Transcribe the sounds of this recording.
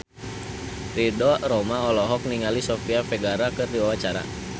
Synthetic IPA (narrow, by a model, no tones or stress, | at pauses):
ridɔɾɔmaɔlɔɦɔk̚niŋalisɔfiafɛɡaɾakɨrdiwawat͡ʃaɾa̰